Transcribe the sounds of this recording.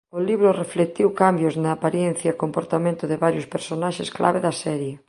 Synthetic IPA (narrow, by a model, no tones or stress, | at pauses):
oliβɾoreflet̪iwkambjoznaːpaɾjen̟θjakompoɾt̪amẽnt̪ʊðeβaɾjospeɾsonaʃesklʔa̰βeðɐsɛɾje